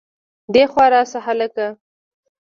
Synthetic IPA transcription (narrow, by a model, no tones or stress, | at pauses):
d̪exwɑɾɑsaɦalaka